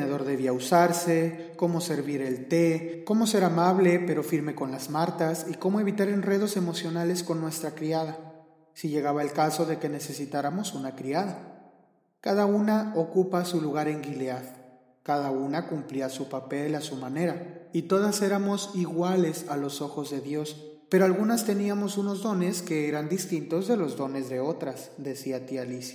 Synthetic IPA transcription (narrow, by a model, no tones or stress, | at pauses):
neðo̞ɾðe̞β̞iausaɾse̞ | ko̞mo̞se̞ɾβiɾe̞lt̪e̞ko̞mo̞se̞ɾamaβle̞pe̞ɾo̞fiɾme̞ko̞nlazmaɾt̪asiko̞mo̞e̞β̞it̪aɾe̞nre̞ð̞o̞se̞mo̞sjo̞nale̞sko̞nːwe̞st̪ɾakɾiað̞a | siʝe̞ɣaβae̞lkaso̞ðe̞ke̞ne̞se̞sit̪aɾamo̞sunakɾiaða | kaðaunaokupasuluɣaɾe̞ŋɡileað | kaðaunakumpliasupape̞lasumane̞ɾait̪o̞ð̞ase̞ɾamo̞siɣwale̞salo̞so̞xo̞zðe̞ðjo̞s | pe̞ɾoalɣunast̪e̞niamo̞suno̞zðo̞ne̞ske̞eɾand̪ist̪int̪o̞zðe̞lo̞zðo̞ne̞zðe̞o̞t̪ɾasd̪e̞siat̪ialisja